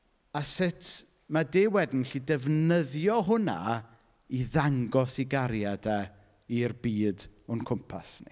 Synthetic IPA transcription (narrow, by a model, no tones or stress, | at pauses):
asɪtʰ | madewɛdn̩ɬidɛvnəðjɔɦʊna̰ | iðaŋɡɔsiɡaɾjadɛ | irbiːdʊnkʰʊmpʰa̰snḭ